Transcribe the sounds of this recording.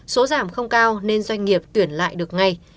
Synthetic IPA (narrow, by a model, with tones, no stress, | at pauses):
so˨˦zaː˧˩mxə˧wŋ͡mkaː˧wne˧nzwa˧jŋ̟ŋi˨˩əp̚t̪wi˧˩ənla̰ː˧˨jɗɨ˨˩ək̚ŋa˨˩j